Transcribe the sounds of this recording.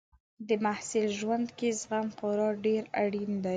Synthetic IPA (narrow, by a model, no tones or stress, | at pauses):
d̪əmahsɪlʒwand̪kezɣampoɾɑɖeɾaɽind̪aj